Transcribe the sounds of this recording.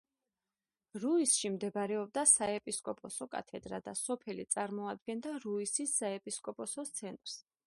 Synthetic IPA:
ɾuisʃimd̪ɛbɾɛɔb̚d̪asaɛpʼiskʼɔpʼʰɔsɔkʼa̰t̪ʰɛd̪ɾa̰d̪asɔpʰɛlit̪sʼaɾmɔad̪̚ɡɛnd̪aɾuisisːaɛpʼiskʼɔpʼɔsɔt̪sʰɛnt̪ʼɾs

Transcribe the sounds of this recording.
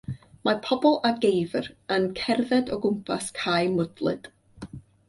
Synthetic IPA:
marpʰɔbɔlˠaɡejvrənkʰɛrðɛdɔɡʊmpʰaskʰajmʊd̥lˠɨ̰d̥

